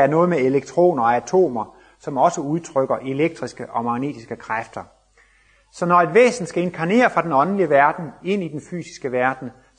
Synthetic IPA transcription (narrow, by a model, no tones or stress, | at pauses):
æɐnɔ̽ːð̩ˠmeeleɡ̥̚t͡sʰʁo̝̰ːnɐɒæt͡sʰo̝̰ːmɐ | sɒ̽mɒ̽səuð̞ˠt͡sʰʁœɡ̥ɐʔe̝leɡ̥̚d̥ʁisɡ̥əʔɒ̽mɑ̈ɡ̥ne̝̰ːd̥isɡ̥əkʰʁafd̥ɐ | sɒ̽nɒe̝d̥ʋḛːsn̩d̥sɡ̥æe̝nkʰɑ̈ne̝̰ːɐfʁɑ̈d̥enɒ̽nnliəʋæɐd̥n̩e̝n̰id̥enfy̰ːsi̥sɡ̥əʋæɐd̥n̩